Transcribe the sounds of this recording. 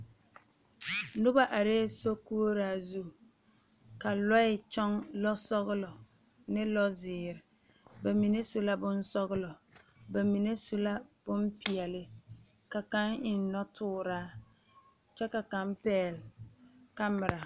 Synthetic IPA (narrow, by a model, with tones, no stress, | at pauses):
nʊ˦ba˨ʔa˨ɾeː˦so˦ku˦o˦ɾaː˦zu˦˨ | ka˨lɔ˦ɪ˨t͡ʃɔ˦ŋlɔ˦sɔ˦ɣɪ˦lɔ˨ | nɪ˦lɔ˦zɪː˨ɾɪ˨ | ba˨mi˨ne˦su˦la˦bʊ˦nsɔ˦ɣʊ˦lɔ˨ | ba˨mi˨ne˦su˦la˦b̥ʊ˦mpi˨ɛ˨lɪ˦ | ka˨ka˦ŋɪ˨n˦nɔ˦tʰʊː˦ɾaː˦ | t͡ʃɛ˦ka˨ka˦mpɛː˦˨l | ka˦mɪ˨ɾa˨